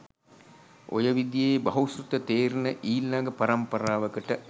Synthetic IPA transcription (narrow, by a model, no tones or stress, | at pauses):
o̰jəʋid̪ijeːbɐɦusrut̪ət̪eːɾunəʔiːlːaɡəpɐɾɐmpɐɾaːʋəkəʈə